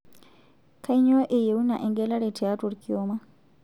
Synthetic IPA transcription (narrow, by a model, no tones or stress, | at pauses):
kajɲɔʔɛjeunaʔɛŋɡɛlaɾɛtɛatuɾkiɔma